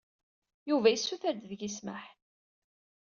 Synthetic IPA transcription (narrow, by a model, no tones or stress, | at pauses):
juvæjisːuθəɾd̪ðəɡisməħ